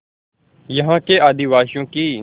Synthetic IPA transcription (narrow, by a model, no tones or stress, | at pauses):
jəɦãːkeːaːd̪ɪʋaːʃjõːkiː